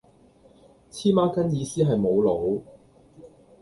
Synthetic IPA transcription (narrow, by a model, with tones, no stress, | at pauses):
t͡sʰiː˥maː˥kɐ˥njiː˨˧siː˥ɦɐ˨jmo˨˧wlo˨˥w